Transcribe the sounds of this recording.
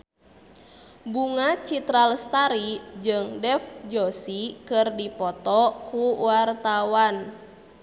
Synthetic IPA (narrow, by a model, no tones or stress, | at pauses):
buŋat͡ʃit̪ɾalst̪aɾid͡ʒɨŋdɛfd͡ʒosikɨrdipɔt̪ɔkuwart̪awan